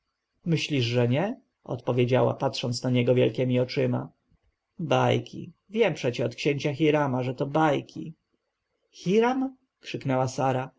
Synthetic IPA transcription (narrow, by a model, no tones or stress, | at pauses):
mɘɕlʲiʐʐɛɲɛ | ɔ̰t̪pɔvʲjed͡ʑawa̰patʂɔnt̪snaɲɛɡɔvʲjɛlkʲɛmʲiɔt͡ʂɘma̰ | bajkʲḭvʲjɛmpʂɛt͡ɕɛɔt̪kɕeɲt͡ɕaxʲiɾamaʐɛt̪ɔbajkʲḭ | xʲiɾam | kʂɘknɛwasaɾa